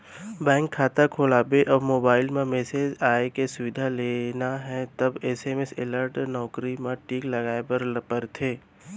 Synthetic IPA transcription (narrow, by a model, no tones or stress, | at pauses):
bɛ̃ːŋkʰːaːt̪akʰoːlaːbeʔɔːɾmoːbaːɪlmẽmeːseːd͡ʒaːekesʊʋɪd̪ʱaleːnaɦɛ̃t̪ɐbeːseːmesɪ̰ləɾʈnɔːkɾimẽʈiːklɐɡaːepɐɾpəɾt̪ʰeː